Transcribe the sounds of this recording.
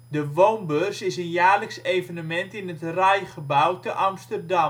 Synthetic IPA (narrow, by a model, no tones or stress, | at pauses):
dəʋownbørsɪsənjaːləksejvənəmɛntɪnətrɛjχəbawtəʔɑmstərdɑm